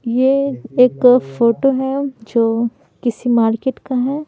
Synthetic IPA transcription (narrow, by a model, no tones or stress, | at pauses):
jeeːkfoːʈoɦɛd͡ʒoː | kɪsimaːɾkeʈkaɦɛː